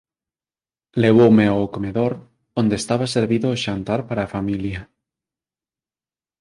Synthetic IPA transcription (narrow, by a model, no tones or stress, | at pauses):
leβowmeaokomeðoɾ | ond̪est̪aβ̞aseɾβiðoʃant̪aɾpaɾaːfamilja